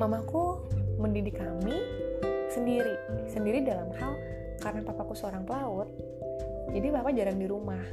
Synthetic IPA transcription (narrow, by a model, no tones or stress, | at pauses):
mamakuməndidɪkami | səndiɾisəndiɾidalamhal | kaɾənapapakusəoɾaŋpəlaʊt̪̚ | d͡ʒadibapad͡ʒaɾaŋdiɾumah